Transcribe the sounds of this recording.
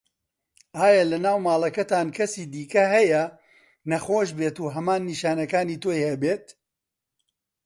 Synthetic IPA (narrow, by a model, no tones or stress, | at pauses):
aːjalɐnaːwmaːlˠɐkɐt̪aːnkʰɐsiːd̪iːkɐɦɐjɐ | nɐχoːʃbeːt̪uːɦɐmaːnːiʃaːnɐkaːniːt̪oːjhɐbeːt̪̚